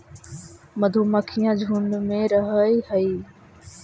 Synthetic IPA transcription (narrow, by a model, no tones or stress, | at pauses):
məd̪ʱuːməkʰijãd͡ʒʱuɳmẽːɾəɦəihəiː